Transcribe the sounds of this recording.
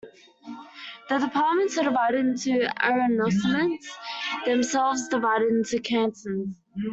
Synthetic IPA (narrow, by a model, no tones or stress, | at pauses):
ðədðəpʰɑˑmə̃ntshədɪvaɪɾɪdɪ̃ntʰʉɛ̰ɹənɔsəmə̃ntsðə̃msɛlˠvzdɪvaɪɾɪdɪ̃ntʉkʰãnsə̃nz̥